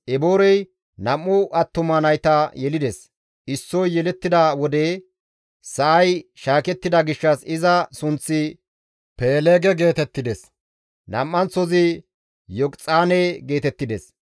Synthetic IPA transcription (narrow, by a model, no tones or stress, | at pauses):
ʔɛboːɾɛj | nɐmːʊʔɐt̪ːʊmɐnɐjt̪ɐjɛlɪd̪ɛs | ʔɪsːɔjjɛlɛt̪ːɪd̪ɐwɔd̪eː | sɐʔɐjʃaːkɛt̪ːɪd̪ɐɡɪʃːɐsɪzɐsʊnt͡sːɪ | peːleːɡɛɡe̞ːt̪ɛt̪ːɪd̪ɛs | nɐ̰mːɐnt͡sɔzɪ | jɔkt͡sʼaːneːɡe̞ːt̪ɛt̪ːɪd̪ɛs